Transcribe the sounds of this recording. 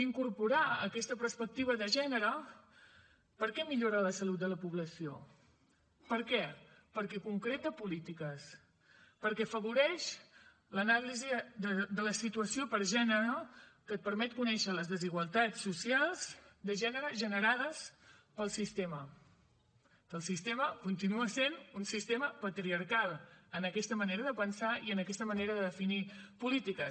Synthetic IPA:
iŋkuɾpuɾaəkɛst̪əpəɾspək̚t̪iβ̞əðəʒɛnəɾə | pəɾkɛmiʎoɾələsəlut̪̚d̪ələpuβləsio̰ | pəɾkɛpəɾkɛkuŋkɾet̪əpulit̪ikəs | pəɾkɛfəβuɾɛʃ | lənalizid̪əd̪ələsit̪uəsiopəɾʒɛnəɾəkət̪̚pəɾmɛt̪̚kunɛʃələzðəziɣwəlˠt̪at͡sːusialˠzd̪əʒɛnəɾəʒənəɾaðəs | pəlˠsist̪emə | kəlˠsist̪eməkunt̪inuəsenunsist̪eməpət̪ɾiəɾkalˠənəkɛst̪əməneɾəðəpənsaiənəkɛst̪əməneɾəðəðəfinipulit̪ikə

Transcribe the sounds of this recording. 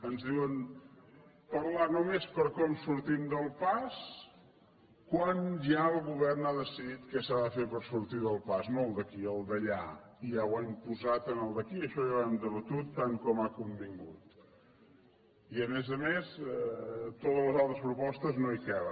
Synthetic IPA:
ənzðiwən | pəɾlanomespəɾkɔmsuɾt̪imd̪əlˠpas | kwanʒaəlˠɣuβɛrnaðəsiðit̪kɛsaðəfepəɾsuɾt̪iðəlˠpaznolˠd̪əkiəlˠd̪əʎa̰iawaimpuzat̪ənəlˠd̪əkiəʃɔjaβamd̪ələt̪ut̪ːaŋkɔmakumbiŋɡut̪ | iəmɛzəmesɛt̪ot̪əzləzalˠt̪ɾəs̬pɾupɔst̪əznoikɛβə

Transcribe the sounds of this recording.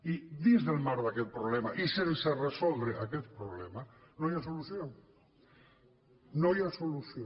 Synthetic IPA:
iðizðelmaɾðaket̪pɾoβlemaʔiselseresolβeʔaket̪̚pɾoβlemanoajas̬oluθjoŋ | noajasoluθjo

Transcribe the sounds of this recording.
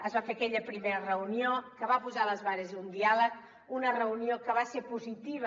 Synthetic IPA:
əzβafeəkɛʎəpɾimeɾərəuniokəβapuzaləzβaɾəzund̪ialək | unərəuniokəβasepuzit̪iβə

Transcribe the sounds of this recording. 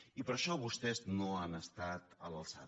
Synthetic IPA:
ipəɾʃɔβust̪ɛznoanəst̪at̪ələlˠsa̰

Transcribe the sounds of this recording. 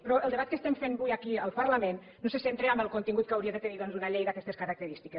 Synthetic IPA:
pɾɔəlˠd̪əβat̪̚kəst̪ɛmfenbujakiəlˠpəɾlamen | nosesent̪ɾeambəlˠkunt̪iŋɡut̪̚kawɾieðət̪əniðɔnzunaʎejðakɛst̪eskəɾak̚t̪əɾist̪ike

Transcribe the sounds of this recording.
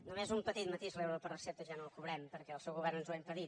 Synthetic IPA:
numezumpət̪it̪̚mət̪iʃlewɾopərəsɛp̚t̪əʒanolˠkuβɾɛmpəɾkɛəlˠsɛwɣuβɛrnənzwɛmpəðit̪

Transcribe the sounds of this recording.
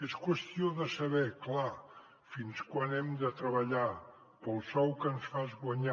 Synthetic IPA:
eskwəst̪ioðəsəβɛkla | finskwanɛmd̪ət̪ɾəβəʎa | pəlˠsɔwkənsfazɣwəɲa

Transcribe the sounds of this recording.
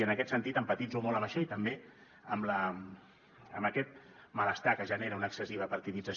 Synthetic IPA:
ənəkɛt̪sənt̪it̪əmpət̪id͡zomɔləβaʃait̪əmbe | əmlə | əmbəkɛt̪̚ | mələst̪akəʒəneɾəunəːksəsiβ̞əpəɾt̪iðid͡zəs

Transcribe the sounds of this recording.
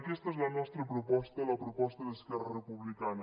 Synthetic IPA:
kɛst̪əɛzlɐnɔst̪ɾəpɾupɔst̪əlɐpɾupɔst̪əðəskɛrərəpuβlikanə

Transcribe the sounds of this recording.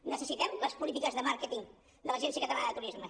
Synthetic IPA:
nəsəsit̪ɛmləspulit̪̬ikəzðəmaɾkət̪iŋ | d̪ələʒɛnsiəkət̪əlaəðət̪uɾizmə

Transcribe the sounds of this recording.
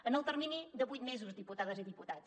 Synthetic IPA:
ənəlˠt̪əɾminid̪əβujt̪̚mezuzd̪iput̪aðəziðiput̪at

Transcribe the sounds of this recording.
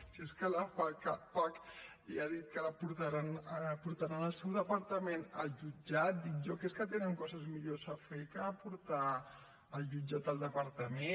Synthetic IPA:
sieskəlapakapakliaðit̪̚kəlapuɾt̪aɾanpuɾt̪aɾanəlˠsɛwðəpəɾt̪əmenalʒud͡ʒat̪̚d̪it̪ʒɔkeskət̪enəŋkɔzəzmiʎosəfekəːpuɾt̪a | əlˠʒud͡ʒat̪̚d̪əlˠd̪əpəɾt̪əme

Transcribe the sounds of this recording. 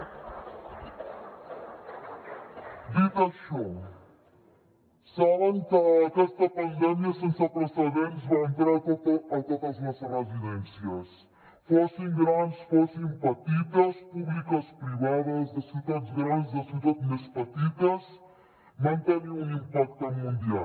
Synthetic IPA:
d̪it̪ɐʃɔ | saβɐŋkəːkɛst̪ɐpɐnd̪ɛmjɐsẽnsɐpɾəsɐðenzβãent̪ɾaɐt̪ot̪ɐzmɐzrəziðɛnsiɐs | fosẽŋ̃ɡɾansfosẽpɐt̪it̪ɐspuβlikɐspɾiβaðɐzðɐsiwt̪at̪zɣɾand̪zðɐsiwt̪at̪mespɐt̪it̪ɐs | mɐ̃nt̪eɾẽũimpak̚t̪ɐmũnd̪ia

